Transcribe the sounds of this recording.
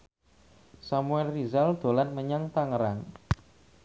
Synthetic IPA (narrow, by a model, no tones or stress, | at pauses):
samuɛlrizald̪̥o̤lanməɲaŋt̪aŋəɾaŋ